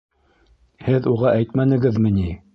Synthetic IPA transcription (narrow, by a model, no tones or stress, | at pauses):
hɘðuʁɑʔæjt̪mænɘ̆ɡɘðmɘ̆ni